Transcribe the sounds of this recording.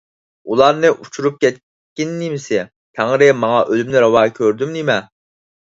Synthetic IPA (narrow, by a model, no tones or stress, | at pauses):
ulˠɑɾnɨʔut͡ʃʰuɾup̚kʲɛt̪̚ | kʲinːɪmɪsɪ | t̪ʰæŋɾɪmɑŋɑʔølymnɪɾɑwɑkʲʰøɾd̪ymnimɛ